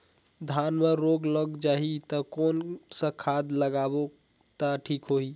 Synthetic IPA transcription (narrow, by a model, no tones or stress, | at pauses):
d̪ʱanmeɾoɡləɡd͡ʒaːɦit̪əkɔːnsə̃kʰad̪ləɡabo | t̪aʈʰiːkɦoi